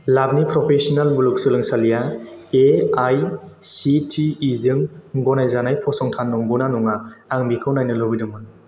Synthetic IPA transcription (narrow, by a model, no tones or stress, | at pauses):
lab̚nipɾɔpʰesɔnalbuluk̚sɯlɯŋsalijaeajsitʰiːzɯŋɡɔnajzanajpʰɔsɔŋtʰanːɔmɡɔnanuŋaːŋbikʰɯwnajnɯlɔbidɯmɯn